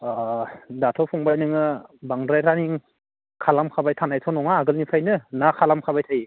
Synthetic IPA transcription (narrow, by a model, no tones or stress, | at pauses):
datʰɔpʰɔŋbajnɯŋɯbaŋdɾajɾaniŋ | kʰalamkʰabajtʰanajtʰɔnɔŋaːɡɯlnipʰajnɯnakʰalamkʰabajtʰaji